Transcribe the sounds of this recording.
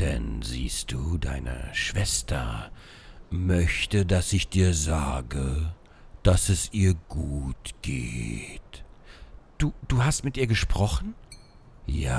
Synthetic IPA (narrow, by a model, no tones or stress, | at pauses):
d̥ɛ̰nzḭːst̚d̥uːda̰ɪnə̰ʃv̥ɛstʰɐ | mœçtədasɪçd̥iːɐza̰ːɡə | d̥asɛsʔiːɐɡuːtɡ̥ḛːt | d̥uːd̥uːɦastmɪtʔiːɐɡəʃpʁ̥ɔχn̩ | jaː